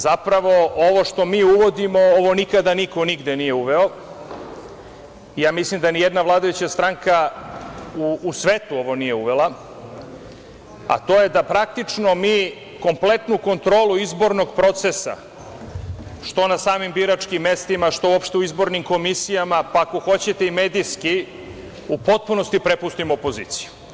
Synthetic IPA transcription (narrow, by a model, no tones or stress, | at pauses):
zapɾaʋo̞o̞ʋo̞ʃt̪o̞miːuʋo̞d̪imo̞oʋo̞nikad̪aniko̞niɡd̪e̞nije̞uʋe̞o̞ | ijaːmislˠimd̪anijed̪naʋlˠaːd̪ajut͡ɕast̪ɾaŋka | uːsʋeːt̪uo̞ʋo̞nije̞uʋe̞lˠa | a̰t̪o̞ːje̞d̪apɾak̚t̪it͡ʂno̞miː | ko̞mple̞t̪nuko̞nt̪ɾo̞ːluizbo̞ɾno̞ɡpɾo̞t̪sesa̰ | ʃt̪o̞nasaːmimbiɾat͡ʂkimːe̞st̪imaʃt̪o̞uopʃt̪e̞uizbo̞ɾnimko̞misijamapako̞xo̞t͡ɕe̞t̪e̞ime̞ːd̪iski | upo̞t̪̚puno̞st̪ipɾe̞pust̪imoopo̞zḭːt̪si̥ju̥